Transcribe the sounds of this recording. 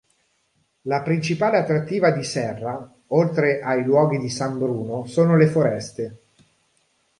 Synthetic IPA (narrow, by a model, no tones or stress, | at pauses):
lapɾint͡ʃipaːleat̪ːɾat̪ːiːvad̪isɛrːa | olt̪ɾeʔajlwɔːɡid̪isambɾuːnosoːnolefoɾɛst̪e